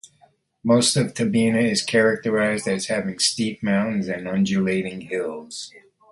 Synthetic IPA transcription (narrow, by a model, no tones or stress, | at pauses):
moʊstʌv̥tʰɨbinɨɪz̥kʰɛɹɨk̚tə˞aɪzdɨz̥hævɪ̃ŋstip̚mãʊ̃ʔn̩zɨ̃nʌ̃nd͡ʒɨleɪɾɪ̃ŋhɪlˠz̥